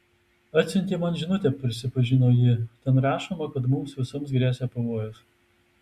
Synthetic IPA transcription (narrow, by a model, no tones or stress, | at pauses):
ɐt̪ʲsʲɪnʲt̪ʲiːmɐnʒʲɪnʊt̪ʲɛpʲɾʲɪsʲɪpɐʒʲɪnoːjɪt̪ʲɛnɾɑːʃoːmɐkɐt̪mʊmsʋʲɪsomsɡɾʲæːsʲɛpɐʋoːjos